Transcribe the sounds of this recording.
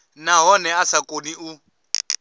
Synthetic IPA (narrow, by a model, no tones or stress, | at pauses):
naɦɔnɛasakʼoniu